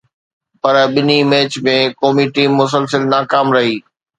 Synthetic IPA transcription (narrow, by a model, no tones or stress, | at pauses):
pɐɾɓɪnimeːt͡ɕmẽkoːmiʈiːmːʊs̬əlsəlnaːkaːmɾɐɦiː